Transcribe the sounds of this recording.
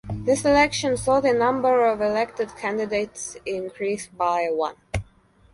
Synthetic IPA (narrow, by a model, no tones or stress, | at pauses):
ðɪsɨlɛkʃɨ̃nsɔlˠtɨnʌ̃mbə˞ʌvɪlɛk̚tɨd̚kʰæ̃ndɨdeɪtsɪ̃nkʰɹisbaɪwʌ̰̃n